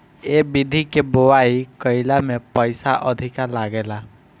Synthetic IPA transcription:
ebid̪ʱikebowajkʌjlamepʌjsaʔʌd̪ʱikaɾlaɡela

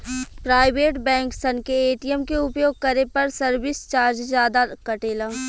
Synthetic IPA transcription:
pɾaːɪʋeːʈbɛ̃ːŋksənkeːʈijəmkeʊpjoːɡ̚kɐɾepɐɾsɐɾʋɪst͡ʃaːɾd͡ʒzjaːd̪akɐʈeːlã

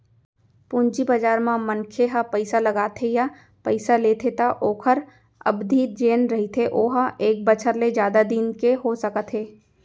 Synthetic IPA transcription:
pũːɲd͡ʒibad͡ʒaːɾmãmɐnkʰeɦapɐɪsalɐɡaːt̪ʰeja | pɐɪsaleːt̪ʰet̪aʔoːkʰəɾ | ɐ̰bd̪ʱiːtd͡ʒeːnɾɐɦit̪ʰeʔoːɦaʔeːk̚bət͡ʃʰəɾled͡ʒjaːd̪ad̪iːnkeɦosɐkət̪ʰeː

